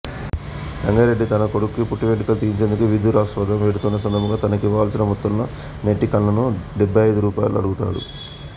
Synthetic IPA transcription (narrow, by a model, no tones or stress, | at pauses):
ɾɐŋɡɐɾeɖːit̪ɐnɐkoɽukːipuʈːiʋeʈikɐlt̪iːjiɲt͡ʃe̞nd̪ukuʋid̪ʱuːɾaːsʋɐd̪ʱɐmʋeːɽut̪unːɐs̬ɐnd̪ɐmɐŋɡaːt̪ɐnɐkiʋaːlsinɐmut̪ːulnɐ | neʈːikɐlːɐnuɖebʱːɐjɐjd̪uɾuːpaːjlṵɐ̰ɽuɡut̪a̰ːɽṵ